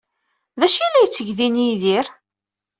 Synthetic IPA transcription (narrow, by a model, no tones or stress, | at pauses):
ðæʃilːæjət͡sːəʝðiniðiɾ